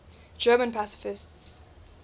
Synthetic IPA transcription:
d͡ʒɜːmə̃npʰasɪ̥fɪsts

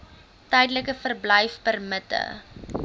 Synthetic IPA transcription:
təjdələkəfərbləjfpərmətə̰

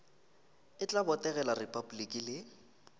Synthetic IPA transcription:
ɪt͡ɬʼabɔtʼɛɣɛlarepʼabulikʼilɪ

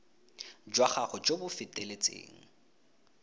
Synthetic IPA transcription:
d͡ʒwaχaχɔd͡ʒobʊfɪtʼelet͡sʼḛːŋ̩

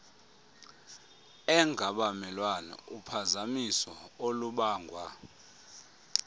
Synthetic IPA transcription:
ɛŋʱaɓamɛlwanɛ̰upʰazamisɔoluɓaːŋɡʱwa

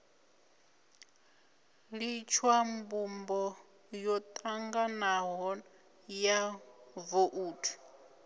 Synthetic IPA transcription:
lit͡ʃʰwambumbɔ | jɔt̪ʼaŋɡanaɦɔ | javoʔuːtʰu̥

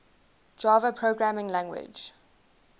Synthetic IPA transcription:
d͡ʒɑːvəpʰɹoːɡɹamɪ̃ŋlãŋɡwɪ̰d͡ʒ

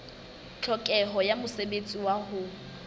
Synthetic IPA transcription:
t͡ɬʰɔkʼɛɦɔjamʊsebet͡sʼiwahʊ

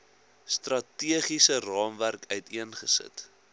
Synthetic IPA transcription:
strɐtiəχisərɑːmværkœɥtiənχəsə̰t

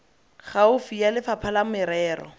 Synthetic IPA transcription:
χaʊfijalɪfapʰalamʊɪɾɛːɾɔ̰

